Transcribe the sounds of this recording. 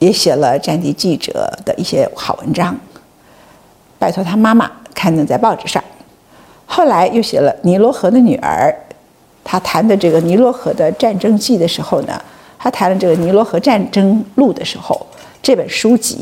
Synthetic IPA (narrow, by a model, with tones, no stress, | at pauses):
jɛ˧˥ɕjɛ˨˩lə˦ʈ͡ʂa˥˧nt̪i˥˧t͡ɕi˥˩ʈ͡ʂɤ̰˨˩d̪̥ə˦ʔi˥˩ɕjɛ˥xɑ˨˩ʊwə˧˥nʈ͡ʂɑ˥ŋ | pa˥˧ɪt̪ʰɔ˥˩t̪ʰa˥ma˥ma̰˨kʰa˥˩nə˧˩ŋt͡sa˥˧ɪpɑ˥˧ʊʈ͡ʂɻ̩˨˩ʂɑ̰˥˩ŋ | xo˥˩ʊla˧˥ɪjo˥˩ʊɕjɛ̰˨˩lə˦ni˧˥lwɔ˧˥xɤ˧˥d̪ə˧ny˨˩ə̰˞˧˥ | t̪ʰa˥t̪ʰa˧˥nd̪ə˧ʈ͡ʂɤ˥˩ɡə˩ni˧˥lwɔ˧˥xɤ˧˥d̪ə˧ʈ͡ʂa˥˩nʈ͡ʂɤ˥ŋt͡ɕi˥˩d̪ə˩ʂɻ̩˧˥xo˥˧ʊnə̰˩ | t̪ʰa˥t̪ʰa˧˥nlə˧ʈ͡ʂɤ˥˩ɡə˩ni˧˥lwɔ˧˥xɤ˧˥ʈ͡ʂa˥˩nʈ͡ʂɤ˥ŋlu˥˩d̪ə˩ʂɻ̩˧˥xo˧ʊ | ʈ͡ʂɤ˥˩pə˨˩nʂu˥t͡ɕḭ˧˥